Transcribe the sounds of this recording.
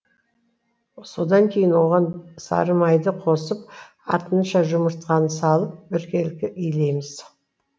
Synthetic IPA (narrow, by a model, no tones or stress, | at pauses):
so̞d̪ɑŋkʲʰe̞jɪnwo̞ʁɑnsɑ̰ɾəmɑjd̪əqʰo̞səp̚ | ɑ̰t̪ənʃɑʒʊməɾt̪qɑnəsɑlˠəp̚bɪɾkʲelkʲɪʔijle̞jmɪz̥